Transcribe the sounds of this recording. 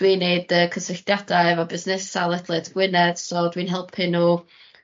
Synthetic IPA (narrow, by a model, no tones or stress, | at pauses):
d̥wiːnːeɨdəːkʰəsɪɬd̥jadaɛvɔbɪznɪsalˠɛd̥lˠɨdɡ̥wɪnɛd̥sɔːdwinɦɛlˠpʰɪnuː